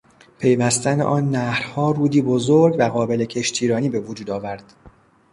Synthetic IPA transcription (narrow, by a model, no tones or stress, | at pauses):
pʰe̞jvæst̪ænḛʔɒːnːæhɾhɒːɾuːd̪iːbozoɾɡvæɣɒːbe̞le̞cʰe̞ʃt̪ʰiːɾɒːniːbe̞vod͡ʒuːd̪ɒːvæɾd̪̥